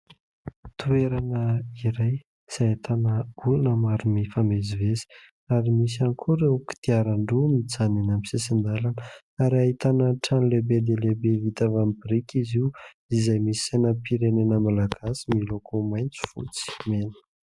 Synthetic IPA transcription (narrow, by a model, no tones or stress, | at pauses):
t̪ueɾanəiɾaj | sait̪ʰanəulunəmaɾumifamezivezi̥ | aɾimisanikʰuɾewki̥t̪iaɾaɳɖ͡ʐumit͡sanenamisesind̪alanə | aɾiaɦit̪anəʈ͡ʂanilebed̪elebevit̪avambiɾikiziu | izajmisi̥sajnəpiɾenenəmalaɡ̥asimilokʰomajnt͡su̥fṵt͡si̥menu̥